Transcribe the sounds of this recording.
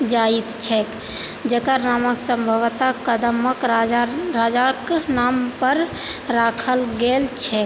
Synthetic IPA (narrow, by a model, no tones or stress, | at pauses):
d͡ʒait̪t͡ʃʰɛk | d͡ʒəkəɾnaməksəmbʱəʋt̪akəd̪əməkɾaaɾad͡ʒaknampəɾ | ɾakʰəlɡelt͡ʃʰɛk